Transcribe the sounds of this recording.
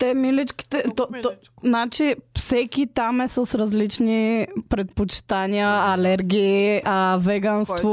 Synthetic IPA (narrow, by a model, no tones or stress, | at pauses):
t̪ɛmilit͡ʃki̥t̪ɛt̪ɔt̪ | nat͡ʃifsɛkʲit̪amɛsɐsɾɐzlit͡ʃnipɾɛt̪̚pot͡ʃi̥t̪aniəɐlɛɾɡʲiːɐvɛɡanst̪vo